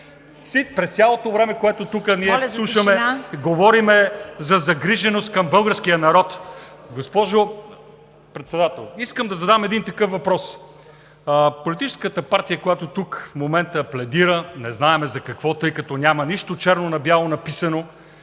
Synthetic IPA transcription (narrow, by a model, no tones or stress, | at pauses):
sit̪pɾɛst̪sʲjalˠot̪ovɾɛmɛkoɛt̪ot̪ukəniɛslˠuʃəmɛɡovɔɾimɛzɐzɐɡɾiʒɛnost̪̚kɐmbɤlˠɡəɾskijənɐɾɔt̪ɡospɔʒo | pɾɛt̪sɛd̪at̪ɛlˠiskəmd̪ɐzɐd̪amɛd̪int̪ɐkɤfvɐpɾɔs | əpolit̪it͡ʃɛ̥skət̪əpaɾt̪ijəkojat̪ot̪ukfmomɛnt̪əplɛd̪iɾənɛznaɛmɛzɐkɐkvɔt̪ɤjkɐt̪ɔnʲamɐniʃt̪ot͡ʃɛɾnonɐbjalˠonɐpisɐno